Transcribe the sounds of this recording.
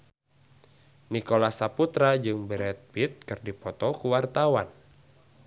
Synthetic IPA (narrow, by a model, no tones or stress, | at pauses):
nikolasaput̪ɾad͡ʒɨŋbɛɾɛt̪̚bit̪̚kɨrdipɔt̪ɔkuwart̪awan